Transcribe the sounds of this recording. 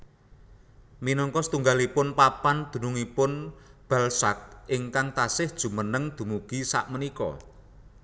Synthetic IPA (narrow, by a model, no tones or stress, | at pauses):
minɔŋkɔsət̪uŋɡalipʊnpapand̪̥ṳnuŋipʊnb̥a̤lsa̰k̚ʔɪŋkaŋt̪asɪhd̥ʒ̥ṳmənəŋd̪̥ṳmuɡ̥isa̰ʔmənikɔ̰